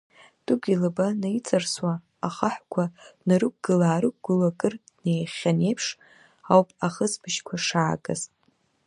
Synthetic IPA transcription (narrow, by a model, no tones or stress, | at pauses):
d̥uɡʲilɨbanajt͡sʰʼarswa | aχaħʷkʷʰanaɾɨk̚ʷʼɡ̥ɨlaːɾɨk̚ɡɨlakʼɨrdnejχʲane̞jpʰʂ | awpʼaχəsbɨʃkʷʰaʂaːkʼɨ̰z